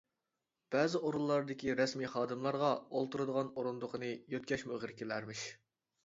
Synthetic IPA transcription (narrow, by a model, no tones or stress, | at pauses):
b̥ɛːzɪoɾunlˠːɑɾd̪ɪkʲiɾɛsmiːχɑːd̪ɨmlˠɑɾʁɑolˠt̪uɾɨd̪əʁɑnoɾund̪ʊqʰənɨjøt̪̚ʲkʲɛʃmuʁəɾkʲelæɾmɪʃ